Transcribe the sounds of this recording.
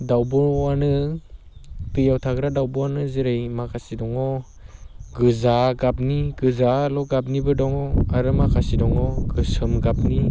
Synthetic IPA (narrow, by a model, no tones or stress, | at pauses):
dawbɔɾwanɯ | bɯjawtʰaɡɾadawbɔwanɯziɾejmakʰasidɔŋɔ | ɡɯzaɡap̚niɡɯzalɔɡap̚nibɯdɔŋɔaɾɯmakʰasidɔŋɔɡɯsɯmɡap̚ni